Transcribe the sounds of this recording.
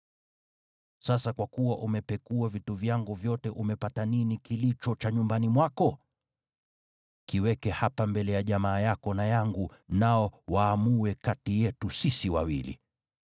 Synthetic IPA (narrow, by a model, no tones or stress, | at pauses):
sasakwakuwaʔumɛpɛkuavituvjaŋɡuvjɔtɛʔumɛpataninikilit͡ʃɔt͡ʃaɲumbanimwakɔ | kiwɛkɛhapambɛlɛjaʄamaːjakɔnajaŋɡunaɔwaːmuwɛkatijɛtusisiwa̰wilḭ